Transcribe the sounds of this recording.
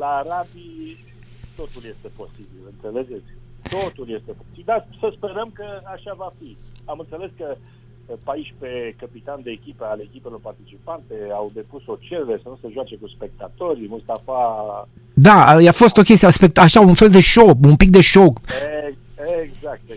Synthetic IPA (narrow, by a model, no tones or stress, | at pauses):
laːɾabi | t̪o̞t̪ulje̞st̪e̞po̞sibilɨnt̪seled͡ʒet̪sʲt̪ot̪ulje̞st̪e̞posibild̪asəspe̞ɾəmkəaʃavafiamɨnt̪sele̞skə | paiʃʲpe̞kəpit̪and̪e̞ːkʲipealekʲipelo̞rpart̪it͡ʃipant̪eawd̪e̞puso̞t͡ʃeɾeɾesənuseʒwat͡ʃe̞kuspe̞k̚t̪at̪o̞rʲmust̪afa | d̪ajafo̞st̪o̞kʲest̪ijaspek̚t̪aʃaunfe̞ld̪e̞ʃokunpik̚d̪e̞ʃoke | eɡzak̚t̪